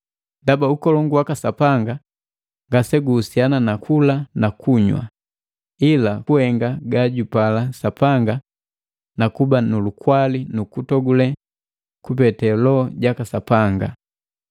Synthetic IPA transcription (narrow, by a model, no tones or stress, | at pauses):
ndabaukɔlɔŋɡuwakasapaŋɡa | ŋɡasɛɡuːsiananakʰulanakʰuɲwa̰ | ilakuhɛŋɡaɡaɟupalasapaŋɡa | nakubanulukwalinukutɔɡulɛ | kupɛtɛlɔɟakasapaŋɡa